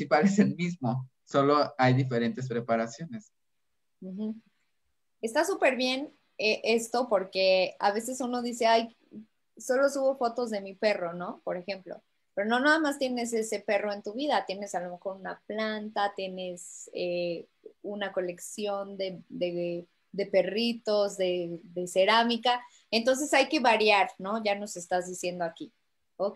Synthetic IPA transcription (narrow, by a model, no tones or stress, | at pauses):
ipaleselmizmo | so̞lo̞ajðife̞ɾe̞nt̪e̞s̬pɾe̞paɾasjo̞ne̞s | m̩x̩ | e̞st̪asupe̞ɾβje̞n | eʔe̞st̪o̞po̞ɾke̞a̰βe̞s̬e̞suno̞ðise̞aj | so̞lo̞suβo̞fo̞t̪o̞zðe̞mipe̞ro̞no̞po̞ɾe̞xe̞mplo̞̰ | pe̞ɾo̞no̞naðamast̪je̞ne̞s̬e̞se̞pe̞ro̞e̞nt̪uβiðat̪je̞ne̞salo̞me̞xo̞ɾunaplant̪at̪je̞ne̞se | unako̞le̞ksjo̞nd̪e̞d̪e | d̪e̞pe̞rit̪o̞zðe̞ðe̞se̞ɾamika | e̞nt̪̬o̞ns̬e̞sajke̞βaɾjaɾno̞ʝano̞se̞st̪azðisje̞nd̪o̞aki | o